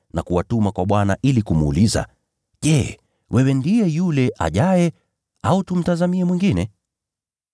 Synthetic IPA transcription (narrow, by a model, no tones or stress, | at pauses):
nakuwatumakwaɓwanaʔilikumuːliza̰ | ʄɛː | wʔɛwɛndijɛjulɛʔa̰ʄajɛ | autum̩tazamiɛmwiŋɡinɛ